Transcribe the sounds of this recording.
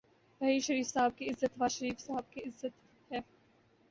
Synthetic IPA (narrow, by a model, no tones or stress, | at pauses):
bɐɦiːʃɐɾiːfsaːb̚kiɪzːət̪ʋaːʃɐɾiːfsaɦəb̚kiɪzːət̪ | hɛː